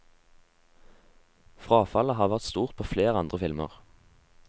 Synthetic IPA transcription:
fʁɑːfɑləɦɑːʋæʁt̪st̪uːʁt̪̚pʰoːfleːʁɑnd̪ʁəfɪlmə̰ʁ

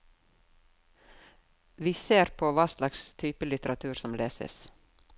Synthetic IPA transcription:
ʋiːseːɾpʰoːʋɑːslɑkst̪ʰyːpəlɪt̪əɾɑt̪ʰʉːɾsɔmleːsə̰s

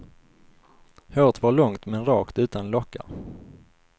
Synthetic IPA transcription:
høːt̪vaɭɔŋt̪mɛnɾɑːkt̪ʉ̟ːt̪anlɔkːa̰

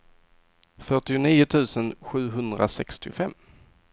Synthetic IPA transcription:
fœʈɪʊniːʊt̪ʰʉ̟ːsənɧʉ̟ːɦɵnd̪ɾa̰sɛkst̪ɪfɛmː

